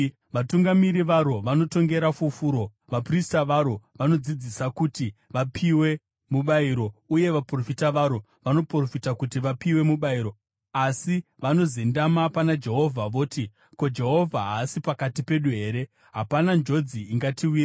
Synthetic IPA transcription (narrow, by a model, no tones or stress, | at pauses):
ʋatuŋɡamiɾiʋaɾo̞ʋano̞to̞ŋɡe̞ɾafufuːɾo̞ | ʋapristaʋaɾo̞ʋano̞d͡zid͡zisakutiʋapʰiwe̞ | muɓaiɾo̞uje̞ʋapro̞fitaʋaɾo̞ | ʋano̞pro̞fitakutiʋapiwe̞muɓaiɾo̞ | asi | ʋano̞zendamapanad͡ʒe̞ɦo̞vʱaʋo̞ːti | ko̞d͡ʒe̞ɦo̞vʱaɦasipakatipe̞ɗuɦe̞ːɾe̞ | ɦapanand͡ʒo̞d͡ziːŋɡatiwiːra